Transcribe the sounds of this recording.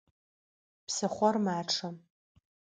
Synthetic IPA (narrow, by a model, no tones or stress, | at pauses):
pʰsɨχʷɔrmaːʈ͡ʂʰam